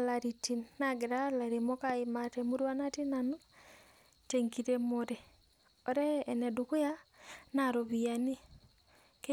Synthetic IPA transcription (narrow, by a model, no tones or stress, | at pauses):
laɾitinːaɡeɾalaɾemokaimatɛmuɾwanatinano | teŋkiɾemoɾe | oɾɛːnɛdukujanaɾoβiani | ke